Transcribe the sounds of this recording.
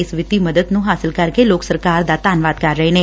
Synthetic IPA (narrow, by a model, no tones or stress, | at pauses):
esʋɪt̪iməd̪əd̪nũːɦaːsɪlkəɾkeloːksəɾkaːɾd̪aːt̪aːnʋaːd̪̚kaɾːəeneː